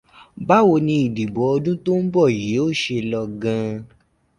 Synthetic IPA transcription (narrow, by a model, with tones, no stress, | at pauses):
ba˦wo˧nĩ˧i˨di˨bɔ˨˦ɔ˧dũ˦to˦m̩˦bɔ˦˨ji˨˦o˦˨ʃe˧lɔ˧ɡã˧